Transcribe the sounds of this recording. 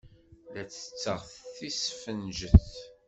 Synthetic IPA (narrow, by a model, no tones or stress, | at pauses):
læt͡sːə̥t͡sːəʁθθisfənʒəθ